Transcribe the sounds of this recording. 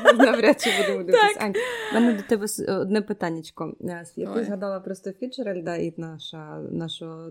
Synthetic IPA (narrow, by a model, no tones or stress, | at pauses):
nɐʋɾʲat͡ʃɛbud̪emɔd̪ɛsʲanʲmɛnɛd̪ɔt̪ɛbɛsɔd̪nɛpɪt̪ɑnʲːɐt͡ʃkɔsjɐk̚t̪ɪzɦɐd̪ɑlˠɐpɾɔst̪ɔfʲit͡ʃeɾɛlʲd̪ɑit̪nɑʃɐnɑʃɔɔ